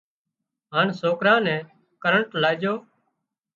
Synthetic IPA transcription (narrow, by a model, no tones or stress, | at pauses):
ɦaːnsoːkɾãːnɛ̃ː | kəɾəɳʈlaːɪd͡ʒoː